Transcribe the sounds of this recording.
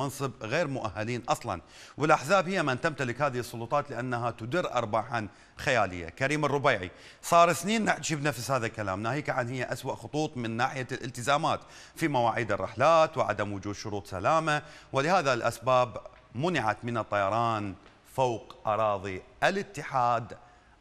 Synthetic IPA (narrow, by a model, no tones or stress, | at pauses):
ɑnsˤɨbɣeːɾmʊʔa̰hːaliːnʔɑsˤlɑ̰n | wɪlʔaħzaːbhɪjːamant̪amt̪alɪkhaːðɪhɨsˤːʊlʊt̪ˤɑːt̪lɪʔanːaɦat̪ʊd̪ɪɾːʔɑ̰ɾˤbaħan | xajaːlɪ̰jːa̰kaɾiːmɨrˤːʊbaːʕḭ | sˤɑːɾˤɪθniːnːɪʕt̪ḁʃibnafshaːðalkala̰ːmnaːhiːkaʕanhɪjːaʔaswaʔxʊt̪ˤuːt̪ˤmɪnːaːħɪjalʔɪlt̪ɪzaːmaːt̪ | fimawaːʕiːd̪ɨrˤːɪ̰ħlaːt̪wɪʕa̰d̪amwʊd͡ʒuːd̪ʃʊɾuːt̪ˤsa̰laːmawɪlɪhaːðalʔa̰sbaːb | mʊnɪʕa̰t̪mɪnɨt̪ˤːɑjɑɾˤɑːn | fowqʔɑɾˤɑːðˤiʔalɪt̪ːɪħaːd̪